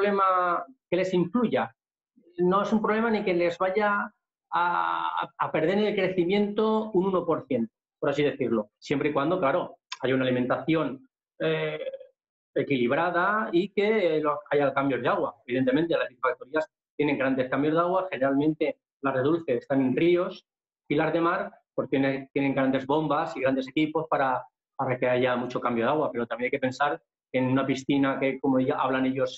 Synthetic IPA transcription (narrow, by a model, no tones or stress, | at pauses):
le̞make̞le̞siŋkluʝa | no̞e̞sumpɾo̞βle̞manike̞le̞zβaʝaː | ape̞ɾð̞e̞ɾelkɾe̞θimjẽ̞nt̪o̞ununo̞po̞ɾθje̞nt̪o̥po̞ɾasiðe̞θiɾlo̞sje̞mpɾeikwand̪o̞klaɾo̞aʝaunalimẽ̞nt̪aθjo̞n | e | ekiliβ̞ɾað̞aike̞loajalkambjo̞zðaɣwaeβiðe̞nt̪e̞mẽ̞nt̪elasifak̚t̪oɾias | t̪je̞ne̞ŋɡɾand̪e̞skambjo̞zðaɣ̞waxe̞ne̞ɾalmẽnt̪e̞ | lare̞ðulθe̞ːst̪anenrio̞s | ilazðe̞maɾpot̪enet̪je̞ne̞ŋɡɾand̪e̞zβo̞mbasiɣɾand̪e̞se̞kipo̞spaɾa | paɾake̞aʝamut͡ʃo̞kambjo̞ðaɣwape̞ɾot̪amjenajkepe̞nsaɾ | kenunapisθinakeko̞moðiɣaʔaβlane̞ʎo̞s